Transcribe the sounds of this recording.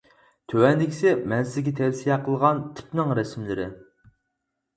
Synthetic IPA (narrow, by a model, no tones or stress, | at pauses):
t̪ʰøwɛnd̪ɪkʲi̥sɪmɛnsɪzɡʲɛt̪ʰɛvsijɛqʰəlˠʁɑnt̪ʰy̥pnɪŋɾɛsmlɪɾɪ